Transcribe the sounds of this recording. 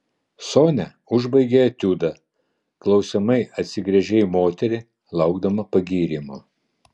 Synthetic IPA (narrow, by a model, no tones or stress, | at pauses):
soːnʲɛ | ʊʒbɐɪɡʲeɐt̪ʲuːd̪ɐ | klˠɒʊsʲɛmɐɪʔɐt̪ʲsʲɪɡɾʲɛʒʲɛɪmoːt̪ʲɛɾʲɪ | lˠɐʊɡd̪ɐmɐpɐɡʲiːɾʲiːmʊ